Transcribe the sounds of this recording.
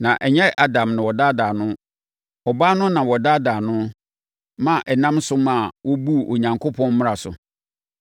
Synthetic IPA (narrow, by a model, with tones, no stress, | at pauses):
nã˨ʔɛ˨ɲɛ˦ʔa˨dã˨mnã˨wɔ˨da˦daː˨nʊ̃˦ | ɔ˨baː˦nʊ̃˦nã˨wɔ˨da˦daː˨nʊ̃˦ | mã˦˨ʔɛ˨nã˦msʊ˦mã˨wɔ˦bu˦˨ʔo˨ɲã˨ŋkʰʊ˦pʰɔ̃˦nmʊ̃˦a˨sʊ̰˨